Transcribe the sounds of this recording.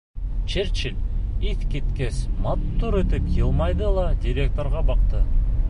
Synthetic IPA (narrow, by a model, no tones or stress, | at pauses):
t͡ʃʰeɾt͡ʃɪliθkʲet̪kʲesmɑt̪ːuɾet̪ɪpjʲelˠmɑjd̪əlˠɑd̪ʲiɾʲe̞k̚t̪o̞ɾʁɑbɑqt̪ə